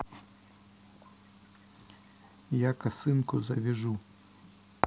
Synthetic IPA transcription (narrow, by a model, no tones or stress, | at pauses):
jakɐsɨnkʊzɐvʲɛʐu